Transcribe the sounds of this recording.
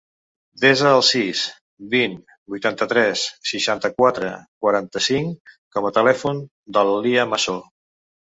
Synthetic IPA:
d̪ezəːlˠsis | bin | bujt̪ant̪ət̪ɾɛsːiʃant̪əkwat̪ɾə̰kwəɾant̪əsiŋkɔmət̪əlɛfun | d̪əlliəməso

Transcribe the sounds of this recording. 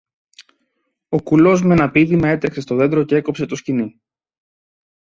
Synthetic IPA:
o̞kulo̞zmenɐpiðimɐe̞t̪ɾekse̞st̪o̞ðe̞nd̪ɾo̞ce̞eko̞pse̞t̪oscini

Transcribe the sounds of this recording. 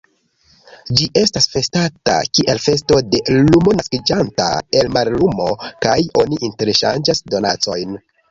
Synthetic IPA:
d͡ʒiʔe̞stasfe̞stata̰kiʔe̞lfe̞sto̞de̞lumo̞naskid͡ʒanta̰e̞lmaɾlumo̞kajo̞niʔinte̞ɾeʃa̰nd͡ʒasdo̞na̰t͡so̞̰jn

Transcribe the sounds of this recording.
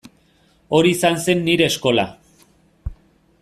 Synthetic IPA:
o̞ɾiːsanse̞nːiɾe̞ːsko̞la̰

